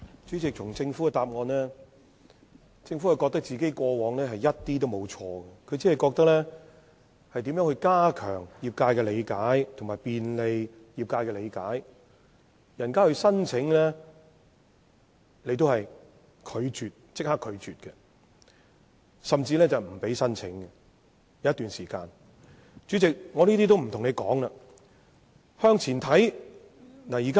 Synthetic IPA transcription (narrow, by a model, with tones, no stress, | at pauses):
t͡ʃy˨˥t͡sɪ˨k̚tʰʊ˨˩ŋt͡sɪ˧ŋfu˨˥kɛ˧t̪aː˨p̚ŋɔː˧nlɛː˥ | t͡sɪ˧ŋfu˨˥hɐ˨˧jkɔː˧k̚t̪ɐ˥k̚t͡siː˨ke˥jkʷɔː˧wɔː˨˧ŋlɛː˥ɦɐ˨jɐ˥t̚t̪iː˥t̪o˥wmo˨˧wt͡ʃʰɔː˧ɡɐ˧kʰɵ˨˧ɥt͡siː˨˥hɐ˨jkɔː˧k̚t̪ɐ˥k̚lɛː˥ | hɐ˨jt̪iː˨˥mjœː˨˧˥ŋhɵ˧ɥkaː˥kʰœ̰ː˨˩ŋjiː˨˩p̚kaː˧jkɛː˧le˨˧jkaː˨˥jt̪ʰʊ˨ŋmaː˨jpiː˨nle˨˧j | jiː˨p̚kaː˧jkɛː˧le˨˧jkaː˨˥j | jɐ˨˩nkaː˥hɵ˧ɥsɐ˥nt͡sʰɪ˨˥ŋlɛː˥ | le˨˧jt̪̬o˥hɐ˨j | kʰɵ˨˧ɥt͡ʃyː˨t̚t͡sɪ˥k̚haː˥kʰːɵ˨˧ɥt͡ʃyː˨t̚kɛ˧ | sɐ˨mt͡siː˧lɛː˥t͡sɐ˨wm̩˨˩pe˨˥jsɐ˥nt͡sʰɪ˨˥ŋɡɛ˨ | jɐ˨˧wjɐ˥t̪yː˨nsiː˨˩ka̰ː˧n | t͡ʃyː˨˥t͡sɪ˨k̚ŋɔ˨˧niː˥t̪iː˥t̪o˥wm̩˨˩t̪ʰʊ˨˩ŋle˨˧jkɔ̰ː˨˥ŋlaː˧ | hœː˥ŋt͡sʰiː˨˩nt̪ʰɐ˨˥j | naː˨˩jiː˨ka˥